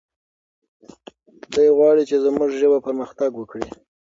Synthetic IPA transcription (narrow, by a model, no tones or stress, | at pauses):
d̪əjɣwɑɽit͡ʃezmuʒʒəbapəɾməxt̪aɡwəkɽi